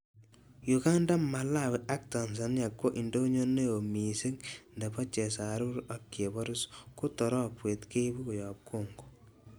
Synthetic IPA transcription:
ju˨ka˦nda˦ma˨la˦we˨ʔa˦k̚ta˨ns̬a˨nja˨kwo˦ʔi˨ndo˦ɲo˦ne˦jo˨mi˨sɪ˦ŋndɛ˨pa˦t͡ʃe˨sa˨ɾu˦ɾa˨kːe˨bɔ˦ɾʊ˦sku˦tɔ˨ɾɔ˦kwe˨tke˦bu˦ko˨jɔ˨p̚kʰo˦˨ŋɡo̥˨

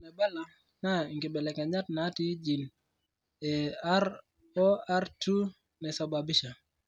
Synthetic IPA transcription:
nɛ˨ba˦la˨ | na˦˨ŋɡɪ˨ɓɛ˨lɛ˨ka˨ɲa˦t̚na˦ti˦d͡ʒi˨n | ɛaɾ | ɔ˦a˦ɾtu˦ | nɛsa˨babɪ˦ʃa˨

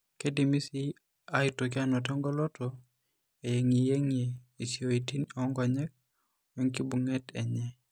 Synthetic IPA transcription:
ke˦di˨mi˦si˦ | a˦i˨to˨kɪ˦a˦nɔ˨tɔ˦ŋɡɔ˦lɔ˦tɔ˨ | e˨je˨ŋi˨je˦ŋe˨i˨si˨o˨i˨ti˦nɔ˨˦ŋɡɔ˨ɲɛ˦k̚ | mɛ˦ŋki˦bu˨ŋɛ˦tɛ˨ɲɛ˦

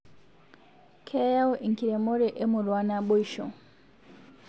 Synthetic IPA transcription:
kʰɛ˦ja˦wʔi˨ŋki˨ɾɛ˨mɔ˦ɾɛ˨ʔɛ˦mu˨ɾwa˦na˦ɓɔ˦iʃɔ̰˨

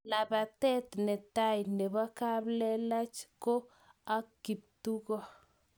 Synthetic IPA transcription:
la˨ba˨t̪ɛ˦t̪nɪ˨t̪a˦jnɪ˨βa˦ka˦blɛ˦la˦t͡ʃko˦ | a˦kːi˨p̚t̪u˦ɣɔ˦

